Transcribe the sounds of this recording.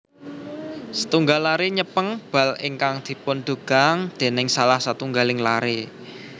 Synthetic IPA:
sə̥t̪uŋɡalːaɾeɲəpəŋb̥a̤lɪŋkaŋd̪̥i̤pʊnd̪̥ṳɡ̥a̤ŋd̪̥e̤nɪŋsalahsat̪uŋɡalɪŋlaɾe

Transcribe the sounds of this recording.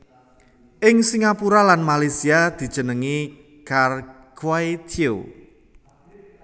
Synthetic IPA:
ʔɪŋsiŋapuɾalanmalasiad̪̥i̤d̥ʒ̥ə̤nəŋi | kar | ɡ̥waet̪ʰio̰

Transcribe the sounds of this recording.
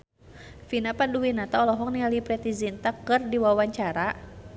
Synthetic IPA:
finapanduwinat̪aɔlɔɦɔŋnialipɾɛt̪izint̪akɨrdiwawaɲt͡ʃaɾa

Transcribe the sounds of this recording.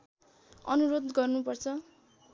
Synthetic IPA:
ʌnuɾod̪ɡʌrnupʌrt͡sʰʌ

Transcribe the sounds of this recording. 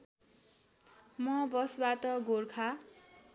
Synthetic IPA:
mʌbʌsbat̪ʌɡorkʰa

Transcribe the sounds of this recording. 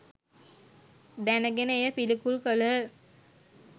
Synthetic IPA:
d̪ænəɡenəejəpilikulkələ

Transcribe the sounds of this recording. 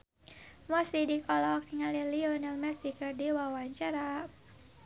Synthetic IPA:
masidikɔlɔk̚diŋaliliɔnilmɛsikɨrdiwawaɲt͡ʃaɾa

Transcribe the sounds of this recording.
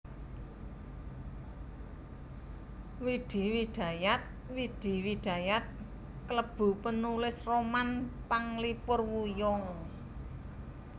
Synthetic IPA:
wiɖ̪̥i̤wid̪̥a̤jat̪̚ | wid̪̥i̤wiɖ̪̥a̤jat̪̚ | kələb̥ṳpənulɪsromanpaŋlipʊrwujɔŋ

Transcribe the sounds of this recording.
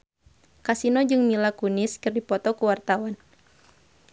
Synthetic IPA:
kasinɔd͡ʒɨŋmilakunɪskɨrdipɔt̪ɔkuwart̪awan

